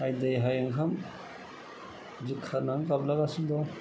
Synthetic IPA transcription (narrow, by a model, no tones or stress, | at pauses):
ajd̪ajɦajaŋkʰam | zikʰːanaŋkablaɡasind̪ɔ